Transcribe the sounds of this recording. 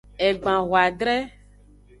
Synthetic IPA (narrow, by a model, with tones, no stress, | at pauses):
ɛ˨ɡ͡bã˨ɣwa˨ɖɾɛ˦